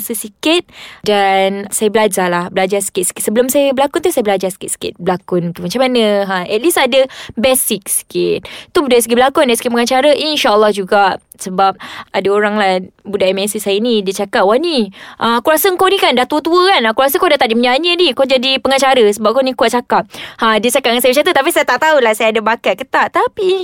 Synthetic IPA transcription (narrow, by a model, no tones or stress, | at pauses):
səsikɪt̪̚dansajabəlad͡ʒalahbəlad͡ʒasi̥kɪt̪̚si̥kɪt̪̚səbəlʊmsajəbəlakʊnt̪usajəbəlad͡ʒasi̥kɪt̪si̥kɪ̰t̪̚bəlakʊnt̪umat͡ʃamːanə̃ɦaɛt̪̚lisadəbɛsik̚si̥kɪt̪̚t̪ubudaisəɡibəlakʊndajisə̥kiʔ̚pəŋat͡ʃaɾəʔinʃaʔəlˠːɔhd͡ʒuɡaʔ | səbap̚adaoɾaŋlahbudaʔmɛsisajənĩdiət͡ʃakat̚waniʔaakuɾasəəŋkonĩkandaht̪uət̪uəkanakuɾasəŋkodat̪aʔdiməɲaɲənikod͡ʒadipəŋat͡ʃaɾəsəbap̚konikuaʔ̚t͡ʃakap̚hadiət͡ʃakat̚ŋansajbət͡ʃat̪ət̪apisajat̪aʔt̪aulahsajaadabakat̚kət̪aʔt̪api